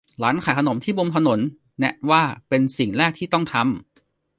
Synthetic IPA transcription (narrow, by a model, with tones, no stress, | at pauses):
laː˦˥nkʰaː˨˩˦jkʰa˧no˩˦mt̪ʰiː˥˩bo˧mt̪ʰa˧no˩˦nː | ɛ˦˥ʔ̚waː˥˩pe˧nsi˨˩ŋɾɛː˥˩k̚t̪ʰiː˥˩t̪ɔ˥˩ŋt̪ʰa˧m